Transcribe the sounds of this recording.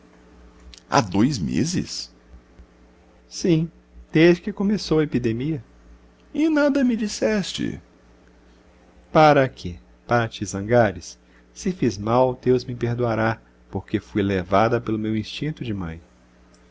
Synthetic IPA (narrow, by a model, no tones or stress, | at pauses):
a̰d̪ojzmḛzɪ̰s | sĩ | d̪̥ezd͡ʒɪkɪkõmesowɐepid̪emiɐ | ɪnad̪ɐmɪd͡ʒisɛst͡ʃɪ̰ | paɾɐkʰɪ | paɾɐt͡ʃɪzɐ̃ɡaɾɪs | sɪfizmawd̪ewzmɪpeɾd̪uaɾa | poɾkefujlevad̪ɐpelʊmewĩst͡ʃĩnt̪ʊd͡ʒɪmɐ̰̃j̃